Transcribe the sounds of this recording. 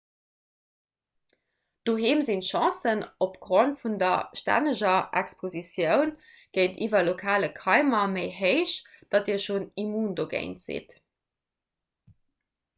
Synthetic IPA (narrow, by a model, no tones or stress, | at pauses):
d̥oɦeːmzinʃɑ̃sənopɡ̥ʁontfundɐʃtæ̰nəʒɐʔækspʰozisjəʊn | ɡ̥əɪntʰiːvɐlokʰaːləkʰɑɪmɐməɪɦəɪʃd̥ɑtiːɐʃoːnimuːndoɡḛɪntz̥ḭt